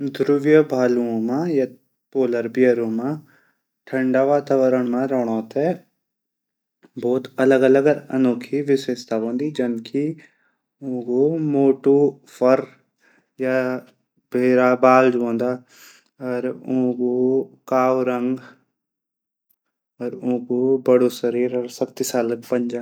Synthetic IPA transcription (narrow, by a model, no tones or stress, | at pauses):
d̪ɾuʋjəbʱaːluõmãjɐt̪ | poːləɾbijəɾoːmã | ʈʰɐ̃ɳɖaːʋaːt̪aʋəɾəɳmãɾoɽ̃oːt̪ɛ | boːt̪ɐləɡɐləɡɐ̰noːkʰiʋɪseːst̪aːʋõːnd̪id͡ʒɐnkʰi | õːɡomoːʈu | fʰəɾ | ja | bʱeːɾabaːld͡ʒõːnd̪aː | ɔɾõːɡukaːʋɾə̃ŋɡ | ɔːɾõːɡubəɽoːsəɾiːɾɔːɾsɐkt̪isaːləkpəɲd͡ʒa